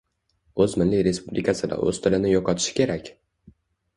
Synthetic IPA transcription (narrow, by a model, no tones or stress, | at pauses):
ɵzmɪnlɪjɾe̞spublʲʔikʰʲat̪sijad̪a̰ʔɵ̰z̥t̪ʰɪlɪnɪjɒqʰɒt̪ʰɪ̥ʃɪ̥kʲʰe̞ɾakʲ